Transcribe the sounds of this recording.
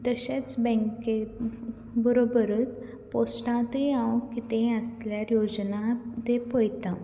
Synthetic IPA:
d̪əɕẽt͡sbə̃ŋke | bəɾobəɾəːt̪ | posʈãt̪ejãwkit̪ẽəsljaɾjod͡ʑnãt̪epəjt̪ã

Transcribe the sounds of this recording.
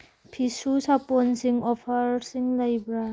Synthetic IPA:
pʰisusaponsiŋɔpʰɐɾsiŋlɐjbɾa

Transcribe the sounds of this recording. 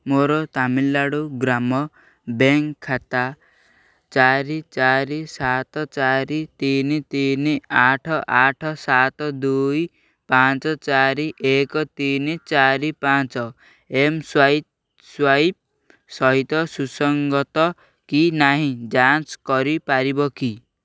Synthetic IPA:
moɾɔt̪amilːaɽuɡɾamɔ | beŋkʰːat̪a | t͡ʃaɾit͡ʃaɾisat̪ɔt͡ʃaɾit̪init̪iniaʈʰɔʔaʈʰɔsat̪ɔd̪uj | pãt͡ʃɔt͡ʃaɾiʔekɔt̪init͡ʃaɾipat͡ʃɔ | emswai | swai | sɔɦit̪ɔsusɔŋɡɔt̪ɔ | kinaɦĩd͡ʒanskɔɾipaɾibɔki

